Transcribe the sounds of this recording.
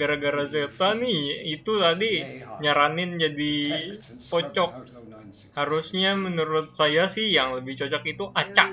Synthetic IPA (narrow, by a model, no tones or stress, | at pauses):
ɡaɾaɡaɾaset̪anɪhit̪ut̪adiɲaɾanɪnd͡ʒadi | t͡ʃɔt͡ʃɔk̚ | haɾusɲamənuɾʊt̪̚sajasɪhjaŋləbɪht͡ʃɔt͡ʃɔkit̪uʔat͡ʃaʔ